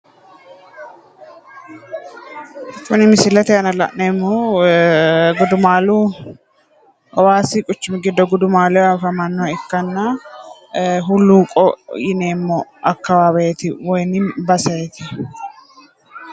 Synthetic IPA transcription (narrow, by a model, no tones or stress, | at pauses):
kʊnɪmɪsɪlɐt̪ɛɐnɐlɐ̰ʔneːmːo | ɡʊd̪ʊmaːluː | waːsɪkʼʊt͡ʃːɪmɪɡɪd̪ːɔɡʊd̪ʊmaːlɛwafɐmɐnːɔɐɪkːɐnːɐ | ɦʊlːuːkʼɔjɪneːmːɔʔɐkːɐwaːbɐt̪ɪwɔjnɪmbɐsɐjɛt̪ɪ